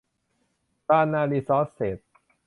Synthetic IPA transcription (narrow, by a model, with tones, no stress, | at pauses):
t̪aː˧naː˧liː˧sɔː˦˥sːe˨˩t̪̚